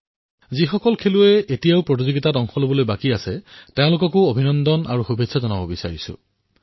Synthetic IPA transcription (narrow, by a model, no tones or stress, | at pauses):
zixɔkɔlkʰelʊɛetijaʊpɹot̬izoɡitatɔŋxɔlobɔlojbakiasɛteʊ̃lʊkɔkʊobʱinɔndɔna̰ɹuxubʱetsʰazɔnabɔbisa̰ɹisʊ̰̃